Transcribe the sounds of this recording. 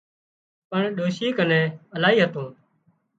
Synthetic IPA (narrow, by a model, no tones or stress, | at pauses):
pəɳɗoːʃiːkənɛ̃ːəlaːiːɦət̪õː